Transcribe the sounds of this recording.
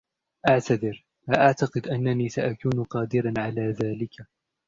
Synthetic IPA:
ʔaʕt̪aðɪɾ | laʔaʕt̪aqɨd̪ʔanːaniːsaʔakuːnqɑːd̪ɪɾanʕalaːðaːlɪkʰa

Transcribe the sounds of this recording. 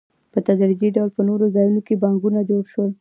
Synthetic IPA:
pət̪ad̪ɾid͡ʒ̪iɖawlpənoɾozɑjunokebaŋɡunad͡ʒoɽʃwəl

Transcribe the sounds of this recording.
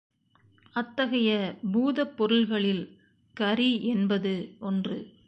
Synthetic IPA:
ɐt̪ːɐɣɐjɐbuːðɐpːɔɾɯlɣɐɭɪl | kɐɾiɛnbɐðɯɔndrɯ

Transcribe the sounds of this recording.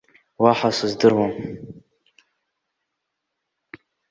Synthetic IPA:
waħasɨzdɨrwam

